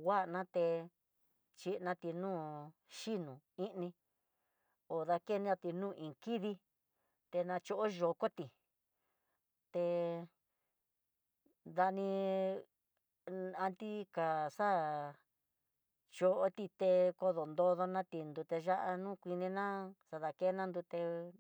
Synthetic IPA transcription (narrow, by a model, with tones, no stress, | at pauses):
wa˦˨˧nã˦t̪e˧ | t͡ʃi˧nã˧t̪i˧nũː˦˨ | ʃi˦nũ˨ĩ˦ʔnĩ˧ | o˨ða˧ke˦nĩ˦ã˧t̪i˧nũː˦˨ʔĩ˨ki˦ði˧ | t̪e˧nã˧t͡ʃo˧ʔo˦ʒo˨˧ko˦t̪i˨ | t̪e˧ | ða˧nĩ˧ | a˧nt̪i˦ka˨sa˦˨ | t͡ʃo˧ʔo˦t̪i˧t̪e˧ko˧ðo˨nd̪o˧ðo˧nã˦t̪i˧nd̪u˧t̪e˧ʒa˦ʔa˧nũː˦˨kʷi˧nĩ˧nã˦sa˧ða˧ke˦nã˦nd̪u˧t̪e˧